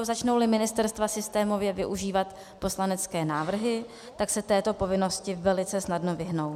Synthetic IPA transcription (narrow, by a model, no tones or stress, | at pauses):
zat͡ʃno̞wlɪmɪnɪst̪ɛɾst̪vasɪst̪ɛːmo̞vjɛvɪʔuʒiːvat̪ | po̞slanɛt͡skɛːnaːvr̩ɦɪ | t̪aksɛt̪ɛːt̪o̞po̞vɪno̞scɪvɛlɪt͡sɛsnadno̞vɪɦno̞w